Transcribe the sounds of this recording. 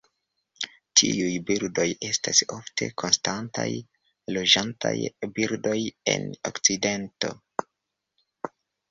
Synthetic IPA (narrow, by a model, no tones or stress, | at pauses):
tʰḭujbiɾdo̞je̞staso̞ftʰe̞̰kʰonstanta̰j | lo̞d͡ʒantʰa̰jbiɾdo̞je̞̰no̰kt͡side̞nto̞̰